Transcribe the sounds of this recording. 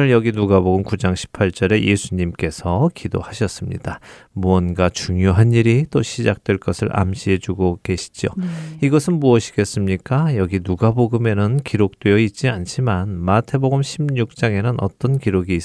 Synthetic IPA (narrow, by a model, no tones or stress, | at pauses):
ɯɭjʌɡinuɡaboɡɯmkud͡ʑaŋɕʰi̥pʰaɭt͡ɕ͈ʌɾe̞jʔe̞sʰuɲimk͈e̞sʰʌkido̰haɕʰʌs͈ɯmɲḭd̥amuʌnɡat͡ɕuŋjoɦaniɾit͈oɕʰid͡ʑak̚t͈we̞ɭk͈ʌsʰɯɭʔa̰mɕʰiɦe̞d͡ʑuɡoke̞ɕʰi̥d͡ʑjo̰iɡʌsʰɯnmuʌɕʰi̥ɡ̥e̞s͈ɯmɲik͈ajʌɡinuɡaboɡɯme̞nɯnkiɾok̚t͈wejʌit̚t͡ɕ͈iant͡ɕʰimanmatʰe̞boɡɯmɕʰimɲuk̚t͡ɕ͈aŋenɯnʔʌ̰t͈ʌnkiɾoɡiːs